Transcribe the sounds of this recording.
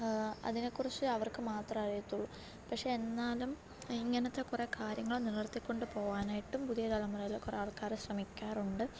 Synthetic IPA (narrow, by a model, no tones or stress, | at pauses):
ɐ̰ðinekːurit͡ɕːɨɐʋɐrkɨmaːt̪rɐmɐrijɐt̪ːuɭːu | pɐkʂeenːaːlum | iŋːɐnɐt̪ːe̞kurekaːɾjɐŋːɐɭonirɐrt̪ːikʲːo̞ɳɖɨpo̞ːʋaːnaːjiʈːumpuðijɐt̪ɐlɐmːurɐjilkːureaːɭkaːrɨɕrɐmikʲːaːruɳɖɨ